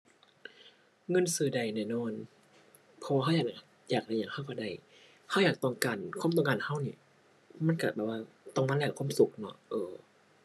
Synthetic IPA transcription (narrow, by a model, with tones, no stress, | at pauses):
ŋɤ˧˨nsɯː˨˩da˨˩jnaː˧˩nɔː˧˩˨n | pʰɔ˧waː˧ɦa˥˨jaː˨˩˨ | jaː˨˩k̚da˧jaː˨˩ŋha˧˥˩wkɔ˧˩da˧˩j | ha˧˩wjaː˨˩k̚t̪ɔ˧ŋkaː˨˩nkʰu˧˥˨mt̪ɔ˧ŋkaː˨nha˧˥˩wniː˧˩ | ma˧˥˨nka˧˩bɛː˨˩waː˧˥˩ | t̪ɔ˧˩ŋma˧˥˨lɛː˧˩kʰuː˧˥˨msu˨˩k̚nɔ˧˥ʔɤː˧˩